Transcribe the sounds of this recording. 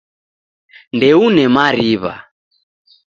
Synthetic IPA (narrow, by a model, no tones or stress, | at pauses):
ndɛunɛmaɾiβa̰